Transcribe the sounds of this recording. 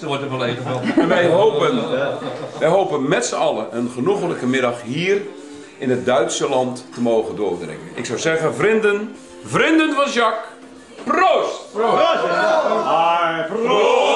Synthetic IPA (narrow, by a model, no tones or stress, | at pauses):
sɔtətʋɛlˠeːvənɔɛnʋɛjɦowpən | ʋɛjɦowpənmɛtsəɑlˠəʔənχənuɣələkəmɪdɑχhiːr | ɪnət̚dœɥtsəlɑntːəmoːɣəndʊːrdrɪ̰ŋənɪ̰ksawzɛɣənvrɪndən | vrɪndənfɔnʃɑk | proːst